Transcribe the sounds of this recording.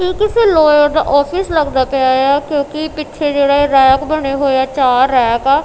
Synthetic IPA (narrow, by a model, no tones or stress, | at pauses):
ɦiːkɪseːloːjod̪a̰ːʔɔːpʰɪsləɡd̪aːpeaːjaːkjõːkɪpɪt͡ʃːʰed͡ʒeːɽaːeɾaːkbəɽeːɦoːjaːt͡ʃaːɾːɛːkaː